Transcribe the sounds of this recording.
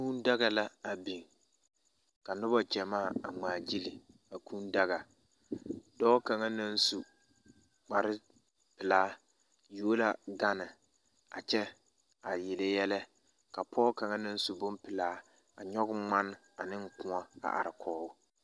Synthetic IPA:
kuː˦nda˦ɣa˨la˦a˨bi˨ŋ | ka˨nʊ˦ba˦t͡ʃɛ˨maː˦˨a˨ŋ͡maː˨d͡ʒi˦li˨ | a˨kũː˦n˦da˦ɣa˨ | dɔː˦ka˨ŋa˦na˦n˦su˨ | k͡pa˨ɾɪ˦ | pɪ˨laː˦ | ju˦o˦la˦ɡa˦nɪ˨ | a̰˨t͡ʃɛ˦ | a˨jɪ˨lɛ˦jɛ˦lɛ˦ | ka˨pʰɔː˦ka˨ŋa˦na˦n˦su˨bʊ˦mpɪ˨laː˦ | a˨ɲɔ˦ɡʊ˦ŋ͡ma˦n˦ | a˨nɪ˦ŋ˦kʊ̃˦a˦a̰˨ʔa̰˨ɾɪ˨kʰɔː˦ʊ˦

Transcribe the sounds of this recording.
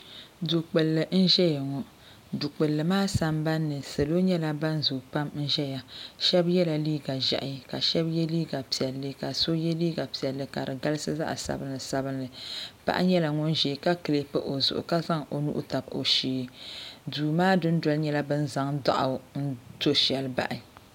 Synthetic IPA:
do˨k͡pɨ˨lːɨ˨n̩˦ʒɛ˦ja˨ŋɔ˨ | du˨k͡pɨ˨lːɨ˨maː˦sa˦mba˦nːɨ˨se˨lo˦ɲɛ˦la˦ba˦n˦zu˨k͡pa˦mn̩˦ʒɛ˦ja˨ʃɛ˦bjɛ˦la˨liː˦ɡa˨ʒa̰˨ʔɪ˨˦˨ka˨ʃɛ˦bjɛ˦liː˦ɡa˨pi˨ɛ˨lːɨ˦ka˨so˦jɛ˦liː˦ɡa˨pi˨ɛ˨lːɨ˨ka˨ɾɨ˨ɡa˦lɨ˦sɨ˦za̰˦ʔsa̰˨bɨ˦nlɨ˨sa˦bɨ˦nlɨ˨pa̰˦ʔa̰˦ɲɛ˦la˨ŋɔ˦nʒeː˨ka˦kɨ˨le˨pɨ˦ʔo˨zʊ˨ʔʊ̰˨ka˦za˦ŋo˨nṵ˦ʔṵ˦ta˨bo̰˨ʃiː˨duː˨maː˦dɨ˦n˦dɔ˦lɲɛ˦la˦bɨ˦n̩˦za˦ŋda̰˦ʔa˨n̩˦to˦ʃɛ˨lba̰˨ʔɪ˨

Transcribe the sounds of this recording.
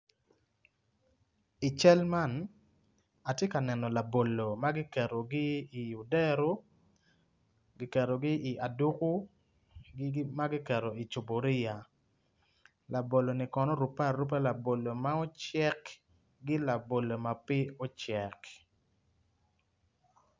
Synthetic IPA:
i˨t͡ʃɛ˦lma˦n | a˨tje˦ka˨nɛ˨nɔ˨la˨bo˨lo˨ma˦ɡɪ˦kɛ˨ɾo˨ɡɪ˦i˨u˨dɛ˦ɾo˦ | ɡɪ˦kɛ˨ɾo˨ɡɪ˦ʔi˨ʔa˨du˦ku˦ | ɡma˦ɡɪ˦kɛ˨ɾo˨i˨t͡ʃu˨bo˨ɾɪ˦ja˨ | la˨bo˨lo˨nɪ˨kɔ˨nɔ˦ɾu˨pa˦˨rːu˦p̬a˦la˨bo˨lo˨ma˦ɔ˦t͡ʃɛ˦k | ɡɪ˦la˨bo˨lo˨ma˨pɪ˦o˦t͡ʃɛ˨k

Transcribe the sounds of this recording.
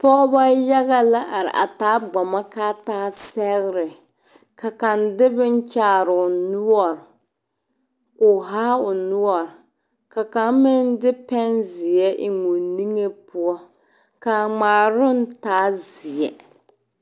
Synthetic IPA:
pɔ˦ba˦ja˦ɣa˦la˦ʔa˨ɾɪ̰˨ʔa̰˨taː˨˦ɡ͡bɔ˨ma˦kaː˦taː˦sɛ˦ɣɾɪ˨ | ka˨ka˨ndɪ˦bɪ˦n˦t͡ʃaː˦ɾʊ˨nu˦ɔ˨ɾ | kʊ˨ɦaː˦ʊ˨nu˦ɔ˨ɾ | ka˨ka˨˦m˦mɪ˦n˦dɪ˦pɛ˦nzɪ˨jɛ˦ʔɪ˨ŋu˨ni˦ŋe˦pu˦ɔ˦ | ka˨ŋ͡maː˨ɾʊ˦n˦taː˦zɪ˨ɛ˨

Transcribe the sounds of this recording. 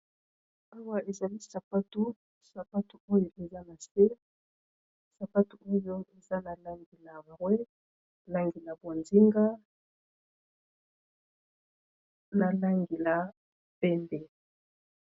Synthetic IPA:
a˦wa˦e˨za˨li˦sa˨pa˦tu˦ | sa˨pa˦tu˨o˦jo˨ʔe˨za˦na˨se˦ | sa˨pa˦tu˨o˦jo˦e˨za˦na˨la˦ŋɡi˨la˨mʁwɛ˦ | la˦ŋɡi˨la˨bo˨nzi˦ŋɡa˦ | na˨la˦ŋɡe˨la˨ | pɛ˦mbɛ˨

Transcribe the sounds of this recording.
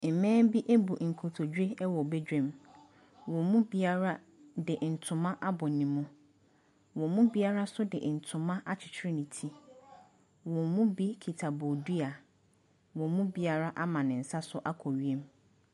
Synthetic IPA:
m̩˨mɛ̃ː˦m˦bi˦ʔe˦bu˨ŋ̩˨kʰo˨tʰo˨d͡ʑᶣɪ˦ɛ˦wɔ˨bɛ˦d͡ʑᶣɛ̃˦m | wɔ̃˨mũ˦bi˦a˦ɾa˦ | dɪ˨ʔn̩˨tʰʊ̃˨mã˦ʔa˦bɔ˨nĩ˨mũ˦ | wɔ̃˨mũ˦bi˦a˦ɾa˦sʊ˦dɪ˨n̩˨tʰʊ̃˨mã˦ʔa˦t͡ɕʰɪ̥˨t͡ɕʰɪ˦ɾɪ˦nĩ˨tʰi˦ | wɔ̃˨mũ˦bi˦kʰi˨tʰa˨bo˨du˦a˨ | wɔ̃˨mũ˦bi˦a˦ɾa˦ʔa˦mã˨nɪ̃˨n̩˨sa˦sʊ˦ʔa˦kʰɔ˨ɥi˨˦e˦m

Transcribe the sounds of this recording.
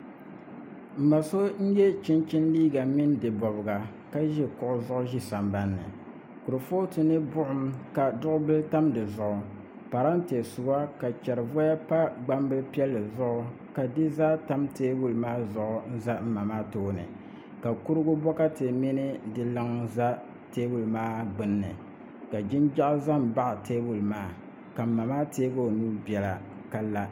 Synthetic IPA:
m̩˨ma˨so˦n̩˦jɛ˦t͡ʃɪ˦nt͡ʃɪ˦n˦liː˦ɡa˨mɪ˦ndɨ˨bɔ˨bɨ˨ɡa˨ | ka˦ʒɛ˦kʊ˨ʔʊ˦zʊ˦ʔʊ˦ʒi˦sa˨mba˦nːɨ̰˨ | kʊ˨ɾɨ˨fo˦tɨ˨nɨ˦bʊ˦ʔʊ˦mka˨dʊ˦ʔʊ˦bɨ˦lta˦mdɨ˨zʊ˨ʔʊ˨ | pa˨ɾa˦n̩˦te˨sʊ˨ba˦ka˨t͡ʃɛ˨ɾɨ˨vɔ˦ja˦pa˦ɡ͡ba˦mbɨ˦lpi˦ɛ˦lːɨ˨zʊ˦ʔʊ˦ | ka˨dɨ˦zaː˦ta˦mteː˦bu˦lmaː˦zʊ˨ʔʊ˦n̩˦za˦m̩˦ma˨maː˦toː˦nɨ̰˨ | ka˨ku˦ɾɨ˦ɡʊ˦bɔ˦ka˦te˨mi˦nɨ˦dɨ˨lɨ˦ŋza˦ | teː˦bu˦˨lmaː˦ɡ͡bɨ˨nːɨ̰˨ | ka˨d͡ʒɪ˦nd͡ʒa˦ʔza˦m˨ba˦ʔtʰeː˦bu˨lmaː˦ | ka˨m̩˦˨ma˨maː˦teː˦bo˦˨nu˦ɾbi˨ɛ˨la̰˨ | ka˦lːa˦

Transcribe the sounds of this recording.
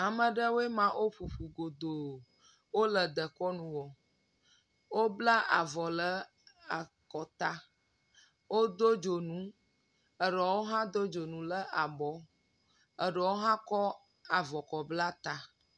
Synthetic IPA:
a˨mə̃˨ɖə˦wo˦e˦mã˨ʔo˦ɸu˨ɸu˨ɡo˨d̪o˨ | wo˦lə˨d̪ə˨kɔ˦nũ˨wɔ˨ | wo˦bla˦ʔa˨vɔ˨lə˦ | a˨ | kɔ˨t̪a˦ | wo˦d̪o˦d͡ʒo˨nũ˦ | ə˨ɖə˨wo˦ɦã˦d̪o˦d͡ʒo˨nũ˨lə˦ʔa˨bɔ˨˦ | ə˨ɖə˨wo˦ɦã˦kɔ˦ | a˨vɔ˨kɔ˨bla˦t̪a˨

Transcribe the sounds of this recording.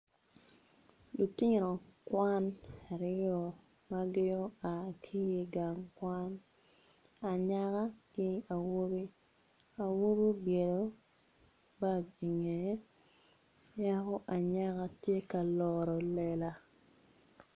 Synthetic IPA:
lu˨tɪ˦ŋ˨ɾo˨kwa˦na˨ɾɪ˦ɔ˨ | ma˦ɡɪ˦jɔ˦a˨kʰi˦e˨ɡa˨ŋkwa˦n | a˨ɲa˦ka˦kɪ˦a˨wo˦bi˦ | a˨wo˦bi˦bje˨do˦ | ba˦ɡi˨ŋe˨˦ | ja˦kɔ˦ʔa˨ɲa˦ka˦tje˦ka˨lɔ˨ɾɔ˨lɛ˨la˨

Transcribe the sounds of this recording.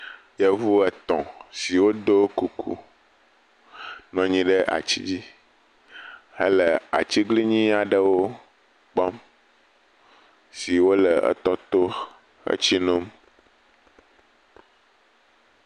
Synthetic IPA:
jə˦vu˦ɛ˨t̪ɔ̰̃˨si˨wo˦d̪o˦ku˨kʰṵ˦ | nɔ̃˨ɲĩ˨ɖə˦ʔa̰˨t͡ɕḭ˦d͡ʑi˦ | ə˦lə˨a̰˨t͡ɕi˦ɡli˦ɲĩ˦a˨ɖə˦wo˦ | k͡pɔ˦m | si˨wo˦lə˨ə̰˦t̪ɔ˦t̪o˦ | ə̰˦t͡ɕi˦nõ˦m

